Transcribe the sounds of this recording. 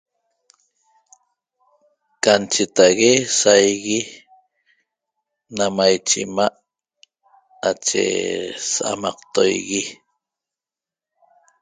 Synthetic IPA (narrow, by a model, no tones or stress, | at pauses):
kant͡ʃet̪aɣesajɣi | namajt͡ʃḭmaʔ | at͡ʃḛsaʔa̰mɑqt̪o̰jɣi